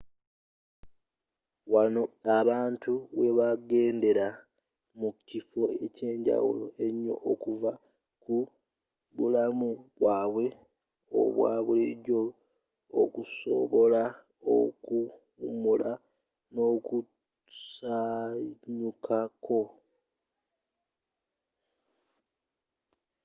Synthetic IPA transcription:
wano̞aβaːntuβe̞βaɡe̞ːnde̞ɾa | mucifo̞e̞ce̞ːɲɟa̰wṵlo̞̰e̞ɲːo̞̰ʔːkuva | ku | βulamuβwaːβwe̞ | o̰βwa̰ːβuliɟoː | kuso̞̰βo̞la | o̰kuː | mula | no̞ku | saɲukʰakʰo̞

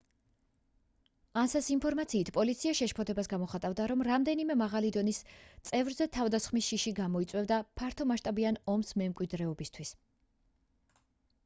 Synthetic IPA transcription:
ansɛsinpʰɔɾmat̪sʰiːt̪ʰpʼɔlit̪sʰiaʃɛʃpʰɔt̪ʰɛbasɡamɔχat̪ʼavd̪aɾɔmɾamd̪ɛnimɛmaʁalid̪ɔnist̪sʼɛvɾzɛt̪ʰavd̪asχmisʃiʃiɡamɔit̪sʼwɛvd̪apʰaɾt̪ʰɔmaʃt̪ʼabianɔmsmɛmkʼwid̪ɾɛɔbist̪ʰwis

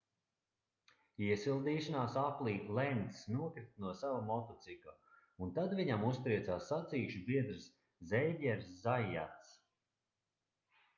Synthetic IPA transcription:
iɛsilˠd̪iːʃanaːsaplˠiːlˠɛnt̪snuɔkɾit̪̚nuɔsavamɔt̪ɔt̪sika | unt̪ad̪viɲamust̪ɾiɛt̪saːsːat̪siːʃubiɛd̪ɾɨs | zɛjvʲɛɾszajːa̰t̪s

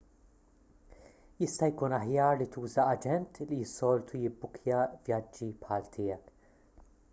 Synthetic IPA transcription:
jɪst̪ɐjkuːnɐħjɐːɾlit̪uːzɐɐd͡ʒɛnt̪lijɪsːɔːlt̪ʰujɪbːʊkʰjɐvjɐd͡ʒːipħɐːlt̪ʰɪːjɛk

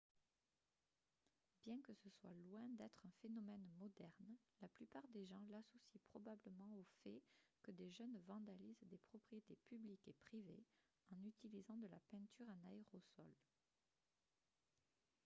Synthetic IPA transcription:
bjɛ̃kəsəswalwɛ̃d̪ɛt̪χɛ̃fenɔmɛnmɔd̪ɛʁnlaplypaʁd̪eʒɑ̃lasɔsipχɔbabləmɑ̃ofɛkəd̪eʒœnvɑ̃d̪alizd̪epχɔpχijet̪epyblikepχive | ɑ̃nyt̪ilizɑ̃d̪əlapɛ̃t̪yʁɛ̃naeʁɔsɔ̰l

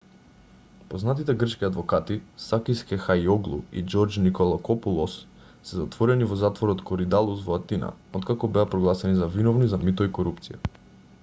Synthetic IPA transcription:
poznat̪it̪ɛɡr̩t͡ʃkiad̪vɔkat̪isakiskɛxajɔɡlˠṵḭd͡ʒɔɾd͡ʒnikolˠakɔpulˠɔsː | ɛzat̪vɔɾɛnivɔzat̪vɔɾɔt̪kɔɾid̪alˠusvɔat̪ina̰ot̪kakɔbɛapɾɔɡlˠasɛnizavinɔvnizamit̪ɔikoɾup̚t̪sija

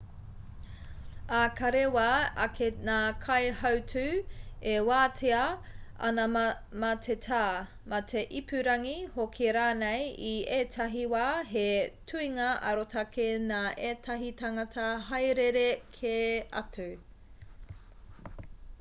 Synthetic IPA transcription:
akɐɾewaɐkʰenaːkʰɐjhɐwtʰʉewaːtʰeɐɐ̰nɐ | mɐtʰetʰaː | mɐtʰeʔipʉɾɐŋihokʰeɾaːnejieːtʰɐɦiwaːɦetʰuiŋɐʔɐɾotʰɐkʰenaːʔeːtʰɐɦitɐŋɐtʰɐɦɐjɾeɾekʰeɐ̰tʰu

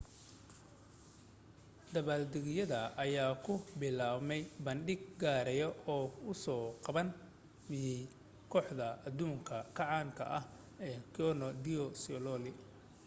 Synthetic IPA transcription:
d̪ɐβaːld̪ɪɣɪjɐðɐɐjaːkʰʊbɪlaːmɛjbɐnɖɪɡɡaːɾɛjɔɔːʊsɔːqɑβɐn | mɪjɛj | kʰɔːħd̪ɐɐd̪uːŋkʰɐkʰɐʕaːŋkʰɐ̰ʔɐh | ɛːkʰɔnɔd̪ɪɔsɔlɔlɪ

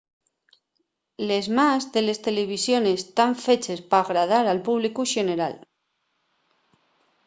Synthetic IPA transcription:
le̞zmazðe̞le̞st̪e̞leβ̞isjo̞ne̞st̪aɱfe̞t͡ʃespaːɣɾað̞aɾalpuβ̞likuʃe̞ne̞ɾa̰l

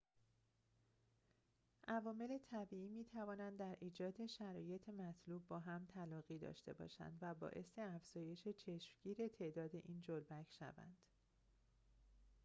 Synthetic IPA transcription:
ʔævɒːme̞le̞t̪ʰæbiːiːmiːt̪ʰævɒːnænd̪ːæɾʔiːd͡ʒɒːd̪e̞ʃæɾɒːje̞t̪ʰemæt̪ʰluːb̚ːɒːɦæmt̪ʰælɒːɣiːd̪ɒ̰ːʃt̪e̞̰bɒ̰ːʃæ̰nd̪væbɒ̰ːʔe̞se̞æfz̥ɒːje̞ʃe̞t͡ʃʰe̞ʃmɟiːɾe̞t̪ʰe̞ʔd̪ɒːd̪e̞ʔiːnd͡ʒolbæcʰʃæ̰væ̰nd̪̥

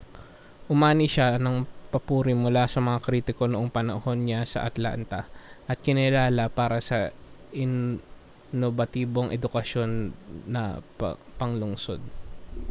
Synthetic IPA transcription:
ʔʊmaːnɪʃanɐŋpɐpuːɾɪmʊlasɐmɐŋakɾiːt̪ɪko̞noʔoŋpɐnɐho̞nɲasɐ̰ʔɐt̪la̰ːnt̪ɐʔɐt̪̚kɪnɪlaːlɐpaːɾɐsɐ | ʔɪn | nobɐt̪iːbo̞ŋʔɛd̪ʊkɐʃjo̞nːɐ̰ | pɐŋlʊŋso̞d̪̚

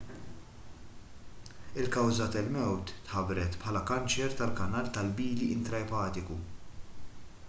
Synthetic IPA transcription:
ɪlkɐwzɐt̪ɐlmɛwt̪ːħɐbɾɛt̪pħɐːlɐkɐnt͡ʃɛɾt̪ɐlkɐnɐːlt̪ɐlbiːliʔɪnt̪ɾɐjpɐːt̪ɪku

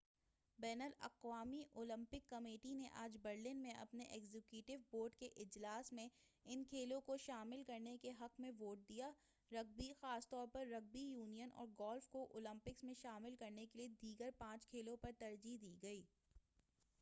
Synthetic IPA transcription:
bɛːnəlɐ̰qwaːmiʔoːlɪ̃mpɪkːɐmeːʈineʔaːd͡ʒbɐɾlɪnmẽʔɐ̰pneʔɛːɡzekjuːʈɪʋboːɾɖkeʔɪd͡ʒlaːsmẽ | ɪnkʰeːlõkoʃaːmɪlkɐɾnekeɦɐqmẽʋoːʈ̚d̪ijaː | ɾɐɡ̚bixaːst̪ɔːɾpɐɾːɐɡ̚bijuːnijənʔɔ̰ːɾɡɔːlfkoʔoːlɐ̃mpɪksmẽʃaːmɪlkɐɾnekelied̪iːɡəɾpãːt͡ʃkʰeːlõpɐɾt̪ɐɾd͡ʒid̪iːɡɐiː

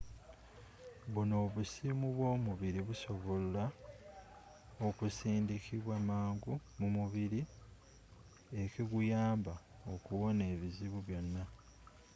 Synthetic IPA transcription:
βuno̞ːβusimuβwo̞ːmuβiɾiβuso̞βolla | okusiːndikʰiβwamaːŋɡumumuβiɾi | e̞kiɡujaːmba | o̞kuwo̞ne̞ːβiziβuβjo̞nːa

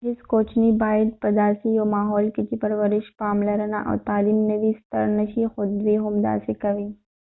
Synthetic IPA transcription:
ɪskoːt͡ʃʰnibaːɪd̪̚pɐd̪aːsijoːmaːɦɔːlkɪt̪ʰipɐɾʋɐɾɪʃpaːmlɐɾɐna̰ʔɔ̰ːt̪aːliːmnebʱist̪ɐ̰ɾnɐʃixʊd̪bʱiɦʊmd̪a̰ːsikɐʋĩː

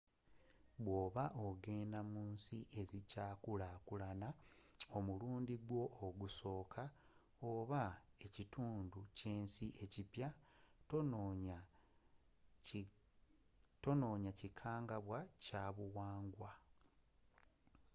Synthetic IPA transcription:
βwo̞ːβaʔo̞ɡe̞ːnamuːnsiʔe̞zicaːkulakulanao̞muluːndiɡwo̞ʔːɡuso̞ːkʰa | oβae̞cituːnduce̞ːnsiʔe̞cipja | to̞no̞ːɲacikʰaːŋɡaβwacaβuwaːŋɡwa

